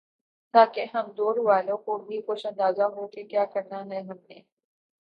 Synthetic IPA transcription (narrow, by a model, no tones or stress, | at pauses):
t̪aːkeɦɐmd̪oːɾʋaːlõkobʱikʊʃɐ̃nd̪aːzaɦoːkekjaːkɐɾnaɦɛɦɐmneː